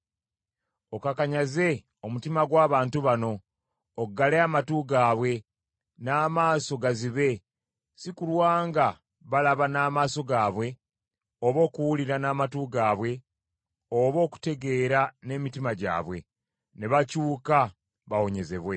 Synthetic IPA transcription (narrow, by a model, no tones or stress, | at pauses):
o̞kakaɲaze̞ | o̞mutimaɡwaːβaːntuβano̞ː | ɡaleamatuːɡaːβwe̞ | naːmaːso̞ɡaziβe̞ | sikulwaːŋɡa | βalaβanaːmaːso̞ɡaːβwe̞ | oβo̞ːkuwuliɾanaːmatuːɡaːβwe̞ | oβo̞ːku̥te̞ɡe̞ːɾane̞mitimaɟa̰ːβwe̞ | neβacuːka | βawo̞ɲe̞ze̞βwe̞